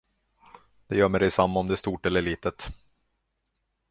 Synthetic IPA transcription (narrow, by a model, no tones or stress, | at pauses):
d̪̥ɛjœːmɛɖɛjsamːaɔmd̪ɛæst̪uːʈɛlːəɭiːt̪ət̪